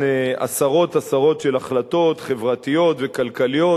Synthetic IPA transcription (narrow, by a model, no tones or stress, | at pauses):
a̰saʁo̞t̪asaʁo̞tʃelaχlat̪o̞t̪χe̞vʁat̪ijo̞t̪vekalkalijo